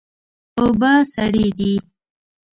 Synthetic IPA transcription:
obasaɽid̪i

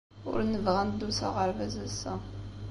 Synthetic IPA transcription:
ʊ̰ɾnəvʁænd̪usa̰ʁəɾvæzæsːæ

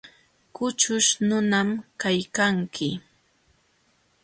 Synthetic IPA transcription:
kʊt͡ʃʊʃnʊnamkajkaŋkʰɪ

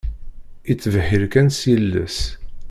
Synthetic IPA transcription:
it͡sːvhiɾkænsjəlːə̰s

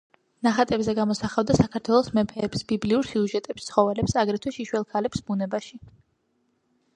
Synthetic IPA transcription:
naχat̪ʼɛbzɛɡamɔsaχavd̪asakʰaɾt̪ʰwɛlˠɔsmɛpʰɛːpsbibliuɾsiuʒɛt̪ʼɛpst̪sʰχɔvɛlɛpsaɡɾɛt̪ʰwɛʃiʃwɛlˠkʰalɛpsbunɛbaʃi

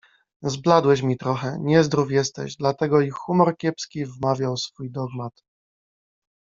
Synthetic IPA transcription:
zblad̪wɛɕmʲit̪ɾɔxɛɲɛzd̪ɾufjɛst̪ɛ̰ʑd̪lat̪ɛɡɔixumɔɾkʲjɛpskʲivmavʲjawsfujd̪ɔɡmat̪

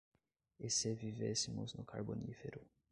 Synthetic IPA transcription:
esevivesɪmʊznʊkʰa̰ɾbonifeɾʊ

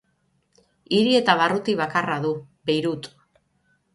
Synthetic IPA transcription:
iɾie̞t̪aβ̞arut̪iβ̞akaraðu | be̞jɾut̪

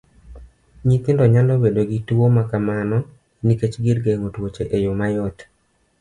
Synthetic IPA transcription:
ɲit̪ɪndɔɲandobedoɡituwomakamanɔ | niket͡ʃɡɪɾɡeŋotwot͡ʃeʔejomajɔt

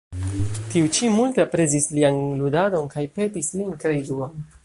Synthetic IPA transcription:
tiut͡ʃimultepɾe̞zislianludado̞nkajpe̞tislinkɾeiɡuon

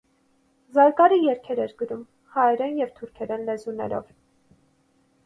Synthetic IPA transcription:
zɑɾkɑɾijɛɾkʰɛɾɛɾɡəɾum | hɑɛɾɛnjɛvt̪ʰuɾkʰɛɾɛnlɛzunɛ̰ɾɔ̰v

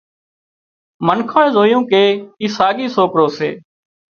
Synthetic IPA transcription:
mənkʰoːɳẽːzoːjũːkeːiːsaːɠiːsoːkɾoːsḛː

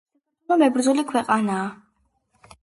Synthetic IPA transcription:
ɔmɛbɾd̪zulikʰwɛqʼanaː

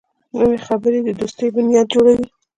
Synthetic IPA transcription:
nəwexabəɾed̪əd̪ust̪əjbʊnijɑd̪̚d͡ʒoɽawi

